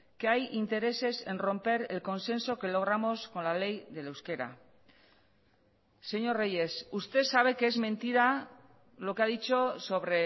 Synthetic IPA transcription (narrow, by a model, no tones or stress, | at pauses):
keajint̪e̞ɾe̞se̞se̞nro̞mpe̞ɾelko̞nse̞nso̞ke̞lo̞ɣ̞ɾamo̞sko̞nlale̞jðe̞lewske̞ɾa̰ | se̞ɲo̞reje̞sust̪e̞saβ̞e̞keezmẽ̞nt̪iɾa | lo̞keaðit͡ʃo̞so̞βɾe̞